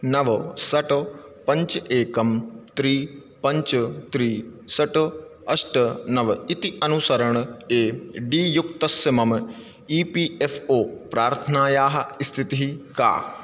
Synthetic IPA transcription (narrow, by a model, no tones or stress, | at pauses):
nɐʋsɐʈ | pɐ̃ɲt͡ʃeːkɐmt̪ɾiː | pɐɲt͡ʃt̪ɾiːsɐʈɐsʈɐnɐʋit̪iʔɐnusɐɾɐɳeːɖiːjukt̪ɐsjɐmɐm | iːpiːefoːpɾaːɾt̪ʰɐnaːjaːɦɐ̆st̪ʰit̪iɦika̰ː